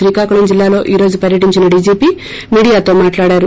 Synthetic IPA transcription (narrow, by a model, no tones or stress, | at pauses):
ɾiːkaːkuɭɐmd͡ʒilːaːlo̞ːʔiːɾo̞ːd͡ʒupɐɾjɐʈiɲt͡ʃinɐɖiːd͡ʒiːpiː | miːɽijaːt̪o̞ːmaːʈlaːɽaːɾu